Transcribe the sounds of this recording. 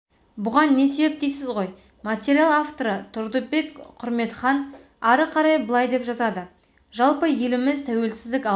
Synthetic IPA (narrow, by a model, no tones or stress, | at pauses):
bʊʁɑnːe̞se̞be̞p̚t̪e̞jsɪzʁo̞j | mat̪ʲeɾʲialˠaft̪o̞ɾət̪ʰʊɾd̪əbe̞kqʰʊɾme̞t̪χɑn | ɑɾəqʰɑɾɑjbəlˠɑjd̪e̞pʒɑzɑd̪ə | ʒɑlˠpəje̞lɪmɪzt̪ʰæwe̞lsɪzd̪ɪkʲ